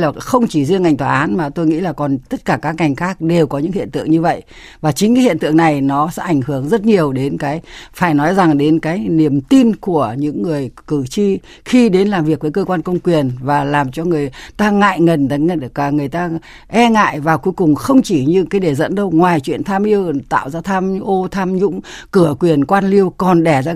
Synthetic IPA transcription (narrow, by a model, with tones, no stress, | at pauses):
laː˨˩xə˧wŋ͡mt͡ɕi˧˩zəŋa˨˩jŋt̪waː˨˩ʔaː˨˦nmaː˨˩t̪o˧jŋḭ˧˥laː˨˩kɔ˨˩nt̪ə˦˥t̚kaː˧˩kaː˦˥kːa˨˩jŋ̟xaː˦˥k̚ɗe˨˩wkɔ˨˦ɲɨ̰˧˥ŋhḭ˧˨ənt̪ɨ̰˧˨əŋɲɨ˧və̰˧˨jʔ | vaː˨˩t͡ɕï˨˦ŋ̟kaː˨˦jhḭ˧˨ənt̪ɨ̰˧˨əŋna˨˩jnɔ˨˦sɛ̰ː˧˥ʔa˧˩jŋ̟hɨ˧˩əŋzə˦˥t̚ɲi˨˩əwɗe˨˦nkaː˨˦jfaː˧˩jnɔ˨˦jza˨˩ŋɗe˨˦nkaː˨˦jni˧˩əmt̪i˧nku˧˩əɲɨ̰˧˥ŋːɨ˨˩əjkɨ˧˩t͡ɕi˧ | xi˧ɗe˨˦nlaː˨˩mvi˨˩ək̚vəː˨˦jkəː˧kwaː˧nkə˧wŋ͡mkwi˨˩ənvaː˨˩laː˨˩mt͡ɕɔ˧ŋɨ˨˩əjt̪aː˧ŋa̰ː˧˨jŋə˨˩n˨˧˩kːŋɨ˨˩əjt̪aː˧ | ʔɛ˧ŋa̰ː˧˨jvaː˨˩ku˨˦jkʊ˨˩ŋ͡mxə˧wŋ͡mt͡ɕi˧˩ɲɨ̰˧˥kaː˨˦jɗe˧˩zə̰˧˥nɗə˧wŋwaː˨˩jt͡ɕwḭ˧˨ənt̪ʰaː˧mʔi˧əwt̪a̰ː˧˨wzaː˧t̪ʰaː˧mʔo˧t̪ʰaː˧mɲʊ̰˧˥ŋ͡m | kɨ˧˩əkwi˨˩ənkwaː˧nli˧əwkɔ˨˩nɗɛ˧˩zaː˧